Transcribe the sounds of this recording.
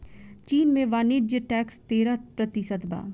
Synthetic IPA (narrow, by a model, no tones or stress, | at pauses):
t͡ʃiːnmẽʋaːnid͡ʒəʈɛːkst̪eːɾapɾət̪ɪsət̪ba̰ː